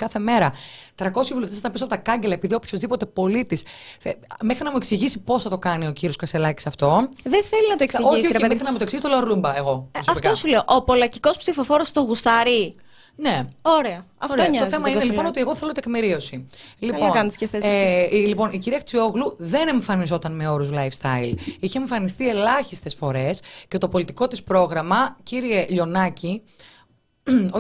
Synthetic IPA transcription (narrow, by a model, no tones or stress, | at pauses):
kɐθe̞me̞ɾɐt̪ɾɐko̞sjɐvuleft̪esiɐmpisoɐpot̪ɐkɐɲɟe̞lɐepiðiopço̞zðipo̞t̪e̞po̞lit̪is | mexɾinɐmueksiʝisipo̞sθɐt̪o̞kɐnio̞ciɾio̞skɐselɐci̥sɐft̪o̞ðeθelinɐt̪oksoisioɾemexɾinɐmut̪oksizsit̪olɐɾlumbɐeɣo̞sɐfptk̪osuleoʔopo̞lɐciko̞spsifofo̞ɾost̪oɣust̪ɐɾi | ne̞oɾeɐ | ɐft̪oɲɐt̪oθemɐinelipono̞t̪ieɣo̞θe̞lo̞t̪ekmiɾio̞siliponkɐnsceθeslipo̞niciɾiɐxt͡sioɣluðe̞neɱfɐnizo̞t̪ɐnme̞o̞ɾuzlɐjfst̪ɐ̰iliçeɱfɐnist̪ie̞lɐçist̪e̞sfo̞ɾe̞sce̞t̪opo̞lit̪i̥ko̞t̪ispɾo̞ɣɾɐmɐciɾieʎo̞nɐci | o